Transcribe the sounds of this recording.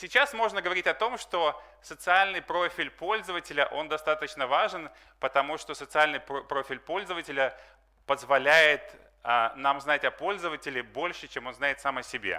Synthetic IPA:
sʲɪt͡ɕasmo̞ʐnəɡəvɐɾʲitʲɐt̪o̞mʂt̪o̞sət̪sɨalʲnɨjpɾo̞fʲɪlʲpo̞lʲzəvətʲɪlʲəʔo̞nd̪ɐst̪at̪ət͡ɕnəvaʐɨn | pət̪ɐmuʂt̪o̞sət̪sɨalʲnɨjppɾo̞fʲɪlʲpo̞lʲzəvətʲɪlʲə | pəzvɐlʲæjɪt̪ | anamznatʲɐpo̞lʲzəvətʲɪlʲɪbo̞lʲʂɨt͡ɕemo̞nznajɪt̪samɐsʲɪbʲḛ

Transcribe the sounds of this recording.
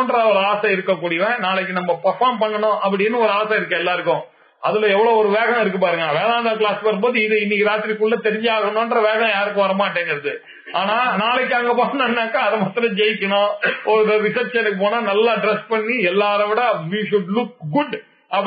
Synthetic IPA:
nɖɾɐɔɾɯaːsɐɪɾɯkːɐkːuːɽɪjɐʋẽnaːlɛk̬ːɯnɐmːɐpɐɾfaːɾmpɐɳːɐnʊ̃ʔɐp̬ːɐɽɪnːɯɔɾɯaːsɐɪɾɯkːɐ̃ɛlːaːɪɾɯkːʊ̃ | ʔɐðɯlɐɛʋːɐɭoːɔɾɯʋeːɣɐ̃ɪɾɯk̬ːɯpaːɾɯŋɡɐʋeːlãːnd̪aklaːspɐɾɯmboːðɯɪðɯɪnːikːɯɾaːt̪ɪɾikʊɭːɐt̪ɛɾɪɲd͡ʒaːɣɐɳõnɖɾɐʋeːɣɐ̃jaːɾɯkːʊ̃ʋɐɾɐmaːʈːeːŋɡɐɾɐðɯ | aːnaːnaːlɛk̬ːaːŋɡɐpoːnɐ̃nːaːkːãɐðɐmaːt̪ːɪɾɐ̃d͡ʒɛjɪkːɐɳõːɔɾɾɪsɐɾt͡ʃɛnːɯkːɯp̬oːnaːnɐlːaːɖɾɛspɐɳːiɛlːaːɾɐʋɪɽɐʋiːʃʊɖlʊk̚ɡʊɖ | ɐ

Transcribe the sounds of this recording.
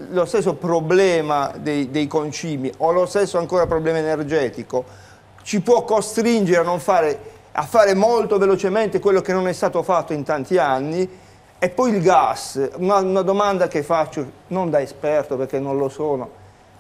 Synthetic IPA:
lost̪es̬ːopɾoblɛːmad̪ejd̪ejkont͡ʃiːmiʔolost̪esːoaŋkoːɾapɾoblɛːmaenerd͡ʒɛːt̪iko | t͡ʃipwɔkːost̪ɾind͡ʒeɾeanːoɱfaːɾe | a̰fːaːɾemolt̪ovelot͡ʃement̪ekwelːokenːonɛst̪aːt̪ofat̪ːoint̪ant̪ianːi | ɛpːɔjilɡasunaunad̪omand̪akefːat͡ʃːonond̪aespɛrt̪operk̟enːonlosoːno

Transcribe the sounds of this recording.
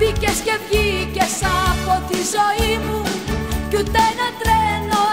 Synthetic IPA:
bicescevʝicesɐpot̪izoimucut̪enɐt̪ɾeno

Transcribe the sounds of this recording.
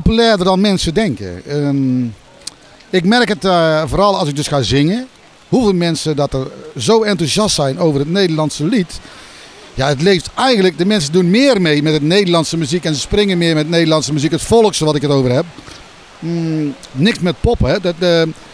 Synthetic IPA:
ppopylɛːrdərdɔnmɛnsədɛŋkə̰ | ɪkmɛrkətvoːrɑlˠɑls̬ɪk̚døsxaːzɪŋə | huvɪːlˠmɛnsədɔtərzoːɛntuzjɑstsɛjnoːvərətneːdərlɑnsəlit | jaətleːftɛjɣəndlək̚dəmɛnsədunmɪːrmejmɛtətneːdərlɑntsəmyzikɛnsəsprɪŋəmɪːrmɛtneːdəlˠɑntsəmyzikətfolˠkstəʋɔtɪkətowvərhɛp̚ | nɪksmɛt̚pɔpəɦɛdə

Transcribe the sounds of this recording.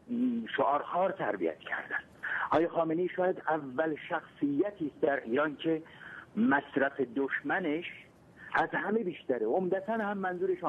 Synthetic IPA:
ʃoʔɒːɾxɒːɾt̪ʰæɾbḭjæ̰t̪cʰæ̰ɾd̪ænd̪̥ʔɒːjɑxɒːmeneʃɒːjæd̪ævːælʃæxsijːæt̪ʰiːst̪d̪æɾʔiːɾɒːncʰe̞mæsɾæfe̞d̪oʃmæneʃ | ʔæzhæme̞biːʃt̪æɾeomd̪æt̪ʰænhæmːænzuːɾeʃ

